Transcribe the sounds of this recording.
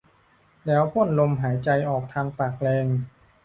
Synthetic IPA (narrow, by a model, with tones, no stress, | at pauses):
lɛː˦˥whʰu˥˩ənlo˧mɦaː˩˦jt͡ɕa˧jʔɔː˨˩k̚t̪ʰaː˧ŋt̪aː˨˩k̚lɛː˧ŋ